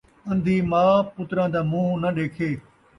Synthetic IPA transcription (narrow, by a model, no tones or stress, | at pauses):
ɐ̃nd̪ʱiːmaːpʊt̪ɾãːd̪aːmũːnɐɗeːkʰeː